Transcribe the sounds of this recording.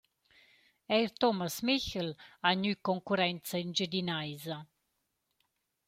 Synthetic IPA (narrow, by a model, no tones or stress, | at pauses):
ɛjɾt̪ɔmasmiçəlaɲykɔŋkuɾɛnt͡saind͡ʒəd̪inajza